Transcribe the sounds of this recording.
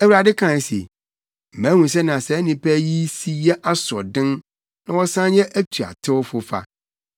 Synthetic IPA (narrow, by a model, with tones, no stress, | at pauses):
ɛ˦wu˨ɾa˨dɪ˦kʰã˨sḛ˨ | m̩˨mæ̃˨˦ŋũ˨s̬ɛ˦nã˨sɛ˨˦nɪ̃˨pʰɛ˦ji˦si˦jɛ˦ʔa˦sɔ̰˨dɪ̃˦n | nã˨wɔ˦sã˦njɛ˦ʔæ˦tʰu˨a̰˨tʰɪ˦wfʊ˨fa̰˦